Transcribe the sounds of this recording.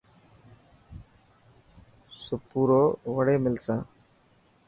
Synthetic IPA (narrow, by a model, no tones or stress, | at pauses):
sʊpuːɾoːʋəɽeːmɪlsãː